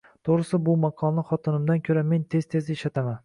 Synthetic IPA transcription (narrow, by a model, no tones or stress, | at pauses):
t̪ʰoʁɾɪsɪbʊmaqʰɒlˠnɪχɒt̪ʰɪnɪmd̪ankʲʰɵɾame̞nt̪ʰe̞z̥t̪ʰe̞zɪeʃat̪ʰaman